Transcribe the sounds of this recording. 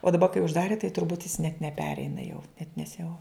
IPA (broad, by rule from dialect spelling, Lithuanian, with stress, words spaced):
oː dɐˈbɐ kɐɪ ʊʒˈdɑːrʲɪ tɐɪ tʊrˈbuːt jɪs nʲɛt nʲɛˈpʲæːrʲɛɪnɐ jɛʊ nʲɛt nʲɛs jɛʊ